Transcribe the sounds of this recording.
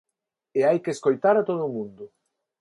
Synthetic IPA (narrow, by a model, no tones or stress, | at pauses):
eajkeskojt̪aɾat̪oðumund̪ʊ